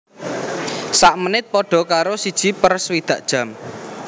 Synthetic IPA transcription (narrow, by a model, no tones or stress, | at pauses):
saʔmənɪt̪̚pɔɖ̥ɔ̤kaɾosid̥ʒ̥i̤pərswid̪̥ä̤ʔd̥ʒ̥ä̤m